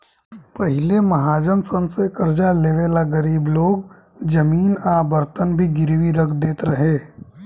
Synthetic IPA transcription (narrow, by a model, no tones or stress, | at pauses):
pɐɦɪlemɐɦaːd͡ʒənsənsekəɾd͡ʒaleːʋeːlaɡəɾiːbloːɡ | d͡ʒəmiːnaːbəɾt̪ənbʱiɡɪɾwiɾəkʰd̪eːt̪ɾɐɦeː